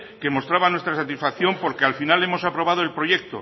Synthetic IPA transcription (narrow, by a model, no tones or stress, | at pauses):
ke̞mo̞st̪ɾaβanwe̞st̪ɾasat̪isfakθjo̞mpo̞ɾke̞alfinale̞mo̞sapɾo̞β̞að̞oe̞lpɾo̞je̞k̚t̪o̰